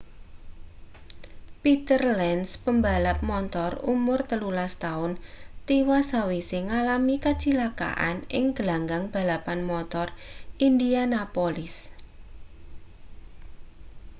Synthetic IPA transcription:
pit̪ərlɛnspəmbalap̚mɔnt̪ɔrṵmʊrt̪əlulast̪aʊnt̪iwasawisɪŋalamikat͡ʃilaka̰ʔa̰nɪ̰ŋɡ̥əlaŋɡaŋb̥a̤lapanmɔt̪ɔrindianapɔlɪs

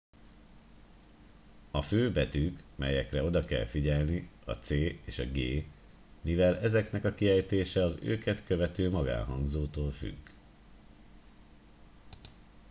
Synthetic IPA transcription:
ɒføːbɛt̪ykmɛ̰jɛkrɛo̞d̪ɒkɛ̰lfiɟɛlniɒ̰t̪seːeːʃɒ̰ɡeː | mivɛlɛzɛknɛkɒkiɛjt̪eːʃɛɒzø̰ːkɛt̪kø̞vɛt̪øːmɒɡa̰ːnɦɒŋɡzoːt̪oːlfy̰ɡː

